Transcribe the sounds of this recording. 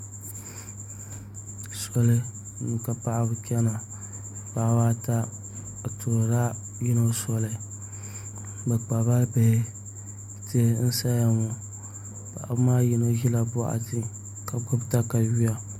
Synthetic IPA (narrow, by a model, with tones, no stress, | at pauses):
sɔ˨lɨ˦˨ | nu˨ka˨pa˦ʔa˦bʊ˦kʲɛ˦na˨ | pa˦waː˦ta˦˨ | toː˨ɾɾa˦ | ji˦no˦sɔ˦lɨ˨ | bɛ˨k͡pa˨ba˦be˨˦ | ti˦n̩˦sa˦ja˨ŋu˨ | ba̰˨a˨bʊ˦maː˦ji˨no˦ʒi˦la˨bɔ˦ʔa̰˨ti˦ | ka˨ɡʊ˦bta˦ka˨ɥi˦a˨